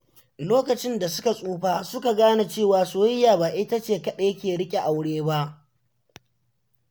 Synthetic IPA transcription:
loː˦kɐ˨t͡ʃɪ˦nda˨sʊ˦ka˨sʼuː˦ɸaː˦sʊ˦ka˨ɡaː˦na˨t͡ʃeː˦˨waː˨soː˦jɪ˦jaː˨ba˨ʔɪ˦ta˦t͡ʃeː˦˨kɐ˦ɗeː˦kʲeː˨ɽɪ˦kʲʼe˨ʔa˨wɽeː˦ba˦ʔ

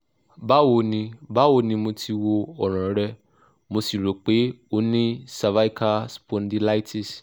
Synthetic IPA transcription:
ba˦wo˧nĩ˧ba˦wo˧˦nĩ˧mo˧tʰi˧wo˧ɔ˨ɾ̃ã˨˦ɾɛ˧ | mo˧si˨ɾo˨k͡pe˨˦o˦nĩ˦sa˧va˦i˦ka˧spɔ̃˧n˦di˧la˦i˦ti˦˨s

